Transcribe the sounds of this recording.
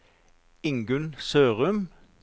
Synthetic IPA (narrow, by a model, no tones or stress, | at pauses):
ɪŋɡʉnsøːʁʉm